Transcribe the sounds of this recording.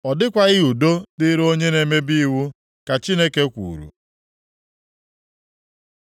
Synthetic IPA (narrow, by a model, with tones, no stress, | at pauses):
ɔ˨dɪ˦kʷa˨ɣɪ˦u˨do˦dɪ˦ɾo˦ɲe˦ne˨me˦bi˦wu˦ | ka˨t͡ʃi˦ne˦ke˦kʷṵ˨ɾṵ˨